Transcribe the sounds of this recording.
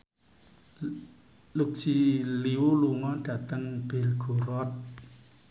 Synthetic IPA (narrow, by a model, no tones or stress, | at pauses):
luk̚siliwuluŋɔɖ̥ä̤t̪əŋb̥e̤lɡ̥o̤ɾɔt̪̚